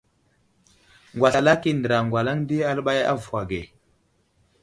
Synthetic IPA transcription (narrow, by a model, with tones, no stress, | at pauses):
ŋɡwa˨sa˨la˦ki˦ndə˨ɾa˨ŋɡwa˨la˦ŋ˦di˦a˦lɓa˦ja̰˦vu˨wa˨ɡe˨